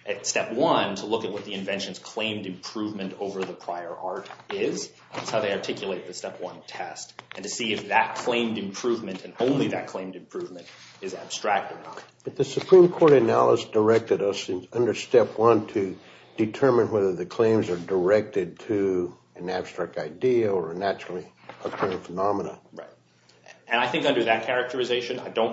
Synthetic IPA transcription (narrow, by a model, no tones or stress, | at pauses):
ʔɨtstɛpwʌ̃ntʰəlʊkɨt̚wʌt̪̚ðiɨ̃ɱvɛ̃nʃɨ̃nz̥kʰl̥ẽɪ̃mdɨ̃mpʰɹ̥uvmɨ̃ntoʊvə˞ðəpʰɹ̥aɪə˞ʔɑɹɾɪz | ætshaʊðeɪɑɹtʰɪkʰjɨlˠeɪt̪̚ðɨstɛpwʌ̃ntʰɛstɨ̃n̩tɨsiɨfðɨt̚kʰl̥ẽɪ̃mdɨ̃mpʰɹ̥uvmɨ̃ntɨ̃nõʊ̃nliðɨt̚kʰl̥ẽɪ̃mdɨ̃mpʰɹ̥ʉvmɨ̃nt | ɨzæb̥stɹ̥æk̚tə˞nət̚b̥ʌt̪̚ðɨsɨpʰɹ̥ĩmkʰɔɹɾɨnælˠəsd̥ə˞ɛk̚tɨɾʌsɨ̃nʌ̃ndə˞stɛpʰwʌ̃ntʰɨ | d̥ɨtʰɜ˞mɨ̃nwɛðə˞ðɨkʰl̥ẽɪ̃mzə˞də˞ɛk̚tɨd̚tʰɨ | ɨ̃næb̥stɹ̥æk̚taɪdiɨə˞ɨnæt͡ʃɹl̩ˠi | ʌðəkʰãɪ̃ndʌ̥fənɑmənə̰ɹaɪt̚ | ɨ̃naɪθɪ̃ŋkʌ̃ndə˞ðɨt̚kʰɛɹɨk̚tʰə˞ɨzeɪʃɨ̃na̰ɪdõʊ̃n